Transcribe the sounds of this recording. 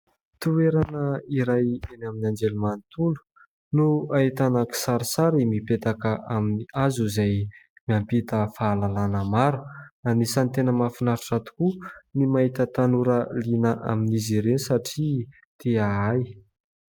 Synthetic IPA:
t̪ueɾanəiɾajenaminand͡ʒelumanit̪ulu̥ | nuait̪anaki̥saɾisaɾimipet̪akəʔaminiazuzaj | miampit̪əfaːlalanəmaɾuanisant̪enəmafinaɾuʈ͡ʂat̪u̥kunimait̪ət̪anuɾəlinəʔa̰minizeɾenisaʈ͡ʂi | t̪ʰeaaj

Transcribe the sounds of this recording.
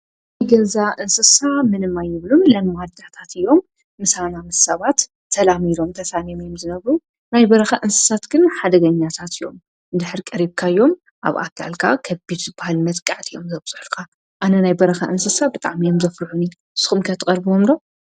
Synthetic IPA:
nnajɡɐnzaʔɨnsɨsamɨnɨmːajːɪβlumlɐnwad̪at̪ʰat̪ɨjːo̞mː | ɨsanamɨssɐβat̪ː | ɐlamilo̞mt̪ʰɐsamomjomzɨnɐβɾu | najbɐɾɐxaʔɨnsɨ̥sat̪ɡɨnħad̪ɐɡɐɲːat̪ʰat̪ɨjːo̞̰m | d̪ɨħɨɾikʼɐɾiβkʰajːo̞m | ʔa̰βa̰kʰːa̰lkʰakʰɐbid̪zɨbahalmɐt̪kʼaʕt̪ʰɨjo̞̰mzɐβz̥ʼɨħlkʰa | ʔanɐnajbɐɾɐxaʔɨnsɨsabɨt̪ʼa̰ʕmijomzɐfɾħuni | sɨ̥xumkʰɐt̪ʰɨkʼɐɾbomd̪o̞

